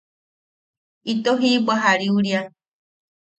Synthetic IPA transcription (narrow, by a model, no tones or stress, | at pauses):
it̪oɦibaɦaɾiuɾja